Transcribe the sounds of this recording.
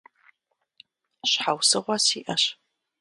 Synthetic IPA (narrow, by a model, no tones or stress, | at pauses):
ɕħawsɨʁʷɐsiːʔɐɕ